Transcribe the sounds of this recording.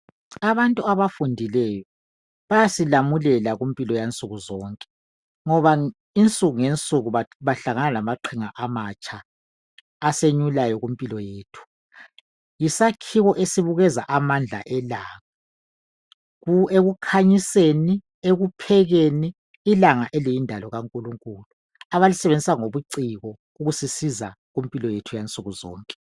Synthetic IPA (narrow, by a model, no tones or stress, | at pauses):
aβantʼuaβafundʱilɛjɔ | βajasilamulɛlaɣumpʼilɔjant͡sʼuɣuzɔːŋkʼɛ̥ | ŋɔβa | int͡sʼuɣuŋent͡sʼuɣuβaβaɬaŋanalamaǃʰiŋaʔamat͡ʃʼaː | seɲulajɔɣumpʼilɔjeːtʰu̥ | jisakʰiɣɔʔesiβuɣɛza̰ʔamand͡ɮʱa̰ʔɛlaːŋa | eɣukʰaɲiseni | eɣupʰɛɣeniː | laŋaʔɛlijindʱalɔɣaŋkʼuluŋkʼuːlu | aβalisɛβend͡zʱisaŋoβuǀiɣɔ | uɣusisiza | ɣumpʼilɔjetʰujant͡sʼuɣuzɔ̰ːŋkʼɛ